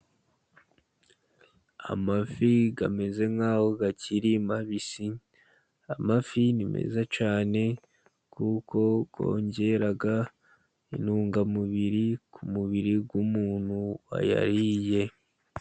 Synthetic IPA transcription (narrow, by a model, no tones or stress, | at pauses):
a̰mafiɡame̞ze̞ŋaːhoɡaciɾimaβisi | amafinime̞̰zat͡ʃaːne̞ | kuko̞ɡo̞̰ːɲɟe̞ɾaɡa | ḭnuːŋɡamuβiɾikʰumuβiɾiɡwumuːnhua̰ja̰ɾije̞